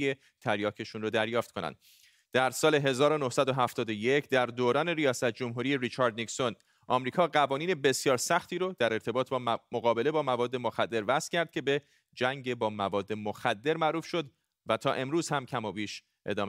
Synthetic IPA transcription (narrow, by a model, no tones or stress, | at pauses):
e | t̪ʰæɾjɒːkʰe̞ʃunrod̪æɾjɒːft̪ko̞næ̰nd̪ | d̪æɾsɒːle̞ɦe̞zɒːɾono̞hsæd̪oɦæft̪ɒːd̪oje̞cʰd̪æɾd̪oːɾɒːne̞ɾijɒːsæt̪̚ʰd͡ʒomɦuːɾijeɾit͡ʃʰɒɾd̪nikso̞n | ʔɒ̰ːmɾiːkʰɒːɢævɒːniːne̞be̞sijɒːɾsæxt̪ʰiːɾod̪æɾe̞ɾt̪ʰe̞bɒːt̪̚ʰbɒːmoɣɒːbe̞le̞bɒːmævɒːd̪ːe̞mo̞xæd̪ːe̞ɾvæscʰæɾd̪̚cʰʲe̞be̞ | d͡ʒæŋɟebɒːmævɒːd̪ːe̞moxæd̪ːe̞ɾmæʔɾuːfʃo̞d̪ | væt̪ʰɒːʔe̞mɾuːz̥hæmcʰæmɒːbiːʃ | ʔe̞̰d̪ɒːm